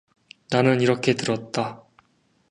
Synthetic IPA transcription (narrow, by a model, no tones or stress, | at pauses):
nanɯniɾʌkʰe̞tɯɾʌt̚t͈a